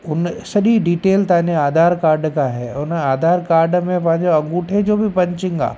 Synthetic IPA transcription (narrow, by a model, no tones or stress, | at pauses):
ʊnsɐɗiɖiːʈeːlt̪aːneaːd̪ʱaːɾkaːɾɖkaɦɛːʊnaːd̪ʱaːɾkaːɾɖmẽpɐ̃ɦɪ̃ɲd͡ʑoɐ̃ŋɡuːʈʰed͡ʑoːbʱipɐ̃ɲt͡ɕɪ̃ŋɡa̰ː